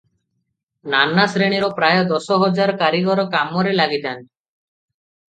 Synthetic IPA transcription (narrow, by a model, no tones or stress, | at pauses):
nanasɾeɽ̃iɾɔpɾajɔd̪ɔsɔɦɔd͡ʒaɾɔkaɾiɡɔɾɔkamɔɾelaɡit̪an